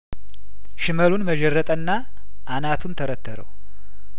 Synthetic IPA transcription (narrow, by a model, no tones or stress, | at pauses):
ʃɨməlunməd͡ʒərːət̪ʼənːa | ʔanat̪ʰunt̪ʰəɾət̪ʰːəɾə̰w